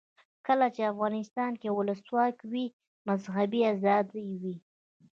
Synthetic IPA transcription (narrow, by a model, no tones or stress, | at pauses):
kəlat͡ʃeafɣɑnɪst̪ɑnkewʊləswɑkwi | mazɦabiazɑd̪jwi